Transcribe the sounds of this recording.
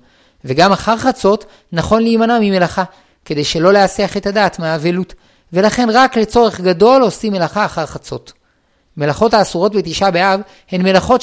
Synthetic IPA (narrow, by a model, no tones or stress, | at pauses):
veɡamaχaʁχat͡so̞t | naχo̞nliːmanamime̞laχa | ke̞d̪e̞jʃe̞lo̞leasiaχe̞tadaːtmeaːvelut | ve̞laχe̞nʁakle̞t͡so̞ʁe̞χɡado̞lo̞sime̞laχaːχaʁχat͡so̞t | me̞laχo̞thaːsuʁo̞tbet̪iʃabeav | he̞nme̞laχo̞t